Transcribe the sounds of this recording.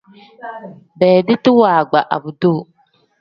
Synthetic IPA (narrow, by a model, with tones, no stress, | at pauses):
bɛː˨dɪ˦tɪ˦waː˨ɡ͡ba˨ʔa̰˨bu˨do˦˨